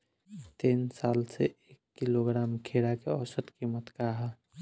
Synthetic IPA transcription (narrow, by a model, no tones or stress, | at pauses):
t̪iːnsaːlseeːkːiloɡɾaːmkʰeɽakeɔsət̪kimət̪kaɦa